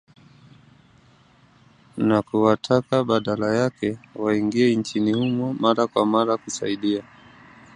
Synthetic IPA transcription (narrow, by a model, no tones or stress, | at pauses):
nakuwatʰakaɓaɗalajakɛwaiŋɡiɛnt͡ʃinihumɔmaɾakwamaɾakusa̰iɗia